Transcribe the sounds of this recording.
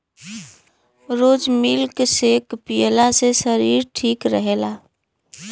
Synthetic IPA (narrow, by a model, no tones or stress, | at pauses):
ɾoːd͡ʒmilksekpijəlasesəɾiːɾʈʰiːkɾəɦelaː